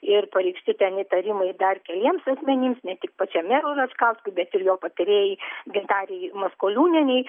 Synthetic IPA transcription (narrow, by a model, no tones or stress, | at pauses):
ɪrpɐɾʲɛɪkʃʲsʲt̪ʲɪt̪ʲɛnʲɪt̪ɐɾʲɪmɐɪd̪ɐrkʲɛlʲiɛmsɐsʲmʲɛnʲɪmsnʲɛt̪ʲɪk̚pɐt͡ʃʲɛmʲɛɾʊɾɐskɑʊskʊbʲɛt̪ɪrjoːpɐt̪ɪɾʲeːjɪɡʲɪnt̪ɑːɾʲɛjmɐskoːlʲuːnʲɛnʲɛɪ